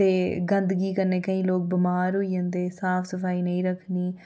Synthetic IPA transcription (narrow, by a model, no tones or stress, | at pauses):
t̪eːɡə̃nd̪ɡiːkəɾneːkəĩːloːk̚bɪmaːɾɦoːiːjə̃ːnd̪eːsaːpʰsəpʰaːiːnəĩːɾəkʰniː